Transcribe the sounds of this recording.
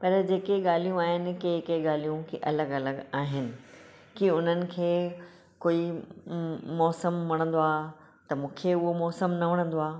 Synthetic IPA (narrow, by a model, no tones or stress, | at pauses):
pɐɾd͡ʑeːkeɠaːl̤ijũaːɦɪnɪ̆kekeɠaːl̤ijũkiʔɐləɡɐləɡaːɦɪnɪ̆ | kiʊn̤ənɪ̆kʰeː | koːi | mɔːsəmːɐɽ̃ə̃nd̪oaː | t̪ɐmũːkʰeʊɦomɔːsəmnɐʋɐɽ̃ə̃n̆d̪oaː